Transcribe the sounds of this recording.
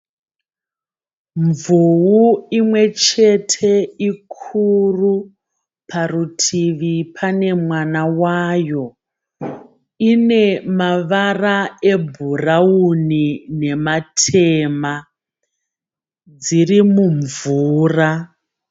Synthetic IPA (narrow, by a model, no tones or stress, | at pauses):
ɱvuwuimwe̞t͡ʃe̞tʰe̞ikʰuru | pʰarutʰiʋipʰane̞mwanawaːjo̞ | ine̞maʋarae̞bʱuraunine̞matʰeːma | d͡zirimuɱvuːra